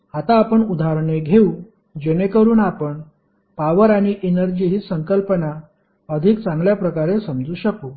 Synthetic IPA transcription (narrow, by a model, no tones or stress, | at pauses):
hat̪aːpəɳud̪aɾɳeɡʱeu | d͡ʑenekəɾuːnapəɳ | paʋəɾaɽ̃iʔenəɾd͡ʑiɦisəŋkəlpəna | əd̪ʱik̚t͡sãŋɡljapɾəkaɾesəmd͡zuːɕəkuː